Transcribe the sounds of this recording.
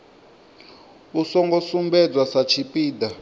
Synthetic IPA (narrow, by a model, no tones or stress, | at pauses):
usɔŋɡɔsumbɛd͡zwasat͡ʃʰipʼiːda